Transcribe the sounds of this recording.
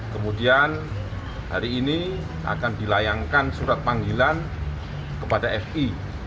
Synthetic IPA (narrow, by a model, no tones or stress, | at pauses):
kəmudian | ha̰ɾiːni | ʔa̰kandilajaŋkansuɾat̪̚paŋɡilan | kəpadaɛfi